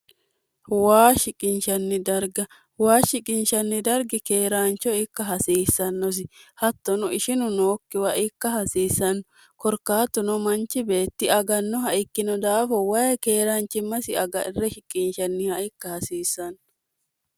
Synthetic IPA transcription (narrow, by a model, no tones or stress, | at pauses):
waːʃɪkʼɪnʃɐnːɪd̪ɐɾɡɐ | waːʃɪkʼɪnʃɐnːɪd̪ɐɾɡɪkeːɾaːnt͡ʃɔɪkːɐɦɐsiːsːɐnːɔs̬ɪhɐt̪ːɔnʊɪʃɪnʊnoːkːɪwɐʔɪkːɐhɐsiːsːɐnːɔ | kɔɾkaːt̪ːʊnɔmɐnt͡ʃːɪbe̞ːt̪ːɪɐɡɐnːɔhɐʔɪkːɪnɔd̪aːfɔwɐjɛkeːɾaːnt͡ʃːɪmːɐsɪɐɡɐ̰ɪrːɛʃɪkʼːɪnʃɐnːɪhɐʔɪkːɐhɐsiːsːɐnː